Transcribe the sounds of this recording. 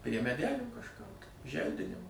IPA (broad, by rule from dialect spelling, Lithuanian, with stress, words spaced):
pʲrʲiɛ mʲɛˈdʲæːlʲuː kɐʃˈkʊr tɐɪ ˈʒʲɛlʲdʲɪnʲɪmɐ